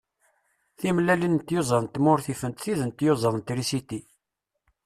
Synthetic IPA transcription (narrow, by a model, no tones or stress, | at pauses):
θimlælint̪jozˤəɾnt̪mʊɾθifənt̪θiðənt̪jozˤənnt̪ɾisit̪i